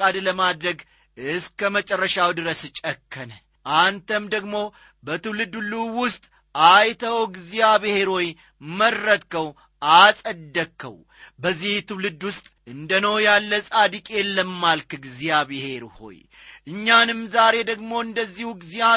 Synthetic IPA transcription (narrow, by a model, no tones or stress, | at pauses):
ad̪ləmad̪ɾəɡ | ɨskəmət͡ʃʼərːəʃawd̪ɨɾəst͡ʃʼəkʰːən | ʔant̪ʰəmd̪əɡmo̞ | bət̪ʰɨwlɨd̪ulːuwʊst̪ʼ | ajt̪ʰəwɡzijaβɨhe̞ɾo̞j | mərːət̪kəw | ʔasʼəd̪ːəkʰːə̰w | bəzːiht̪ʰɨwlɨd̪wʊst̪ʼɨnd̪ənəwjalːəsʼad̪ikʼjɛlːəmːalkɡzijabɨhe̞ɾho̞̰j | ʔɨɲːanɨmzaɾe̞d̪əɡmo̞ɨnd̪əzːihuɡzija